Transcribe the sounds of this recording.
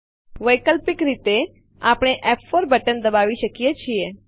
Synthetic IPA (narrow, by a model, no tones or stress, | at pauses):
ʋəjkəlpɪkɾit̪e | apɽ̃eʔɛpfoɾbʱəʈənd̪əbaːʋiʃəkijet͡ʃʰije